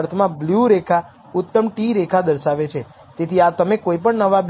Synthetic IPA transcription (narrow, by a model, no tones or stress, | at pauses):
ɾt̪ʰmãbljuɾekʰa | ʊt̪ːəmʈiɾekʰad̪əɾʃaʋet͡ʃʰe | t̪et̪ʰiat̪əmekoipəɳnəʋab